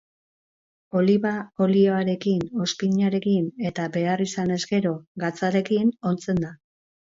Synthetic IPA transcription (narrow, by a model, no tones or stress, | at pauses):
o̞liβao̞lioaɾe̞kino̞spiɲaɾe̞kine̞t̪abe̞arisane̞zɡe̞ɾo̞ɡat͡saɾe̞kino̞nt͡se̞nd̪a